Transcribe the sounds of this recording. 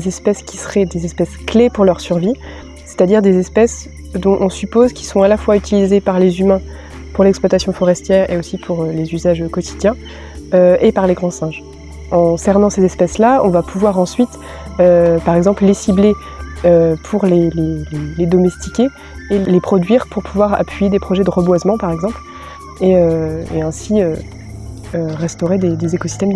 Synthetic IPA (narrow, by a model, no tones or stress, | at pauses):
zɛspɛskʲi̥səʁɛd̪ezɛspɛsklepuʁlœʁsyʁvi | se̥t̪ad̪iʁd̪ezɛspɛs | d̪ɔ̃ʔɔ̃sypozkʲi̥sɔ̃alafwayt̪ilizepaʁlezymɛ̃ | puʁlɛksplwat̪asjɔ̃fɔʁɛst̪jɛːʁḛosipʰuʁølezyzaʒkɔt̪ʰid̪jɛ̃ | øepaʁleɡʁɑ̃sɛ̃ʒ | ɑ̃sɛʁnɑ̃sezɛspɛslaɔ̃vapʰuvwaʁɑ̃sɥit̪ | øpaʁɛɡzɑ̃pllesible | øpʰuʁleleleled̪ɔmɛst̪ikʲeː | lepχɔd̪ɥiʁpuʁpʰuvwaʁa̰pʰɥijed̪epχɔʒɛd̪əʁəbwazmɑ̃paʁɛɡzɑ̃pl | eøḛɛ̃siø | øʁɛst̪ɔʁed̪ed̪ezekosi̥st̪ɛm